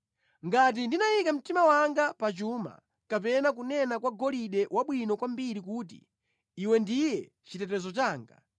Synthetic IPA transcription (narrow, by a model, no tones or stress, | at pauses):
ŋɡat̬indinajikam̩timawaŋɡapat͡ʃuːma̰ | kap̬ɛnak̬unɛnakwaɡɔliɗɛwaɓwinɔkwambiɾikuːt̬ḭː | wɛndijɛ | t͡ʃitɛtɛzɔt͡ʃaːŋɡa